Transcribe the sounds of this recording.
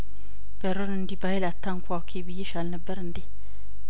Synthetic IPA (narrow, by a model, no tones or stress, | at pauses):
b̥ɛɾonəndibajilatːaŋkuawkʰibijiʃalnəbɛɾndi